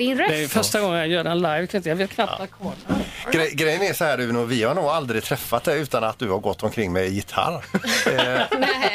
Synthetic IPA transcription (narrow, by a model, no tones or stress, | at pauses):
ɪnɾd̪ɛfœʂʈaɡɔŋːənjajœːɖɛnlajvkʰɾɪŋɪ̃t̪javeːt̪kʰnap̪akʰɔlɡɾɛɡɾɛjːənɛʂɔhæːɖʉnuːvɪhaɾɳuːɡald̪ɾɪt̪ʰɾɛfːat̪̚d̪ɛʉ̟ːt̪anat̪̚d̪ɵhaɾɡɔt̪ːɔmkʰɾɪŋːmɛɪjɪt̪ʰa̰ɾ